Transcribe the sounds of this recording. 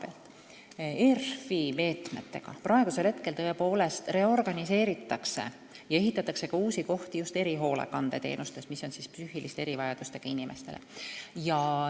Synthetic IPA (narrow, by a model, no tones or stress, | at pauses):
pelt̪ˑ | erfime̞ːt̪me̞̰t̪ːe̞̰ɡ̥ɑ̰prɑe̞ɡ̥use̞lhe̞t̪̚ke̞lt̪ɤepo̞ːle̞st̪re̞o̞rɡ̥ɑnise̞ːɾit̪ːˑɑkse̞̰ | jɑe̞ɦit̪ːˑɑt̪ːˑɑkse̞kɑuːsiko̞ht̪ijust̪e̞ɾiɦo̞ːlḛkɑnd̪ḛt̪ḛːnust̪e̞smiso̞nsispsyhilʔist̪ee̞ɾivɑjɑd̪̥ust̪e̞ɡ̥ɑinimʔe̞st̪e̞lʔḛjɑ